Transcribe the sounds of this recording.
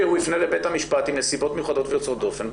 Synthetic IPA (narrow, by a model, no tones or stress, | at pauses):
ehulifnelebe̞t̪hamiʃpat̪imnesibo̞t̪mejuχad̪ot̪vejot͡sod̪o̞fenb